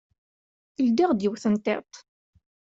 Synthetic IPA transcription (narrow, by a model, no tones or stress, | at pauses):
ld̪iʁd̪jəwθənt̪ḛt̪ˤ